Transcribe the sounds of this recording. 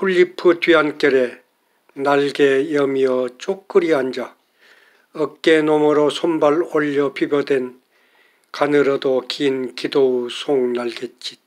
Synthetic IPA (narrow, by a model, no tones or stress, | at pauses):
pʰuʎːipʰɯtɥiɦank͈jʌɾe̞ | naɭɡejʌmiʌt͡ɕ͈ok͈ːɯɾiɦand͡ʑa | ʌk͈enomɯɾosʰombaɭoʎːʌpubjodwe̞n | kanɯɾʌdokiːnkidousʰoŋnaɭɡet̚t͡ɕ͈i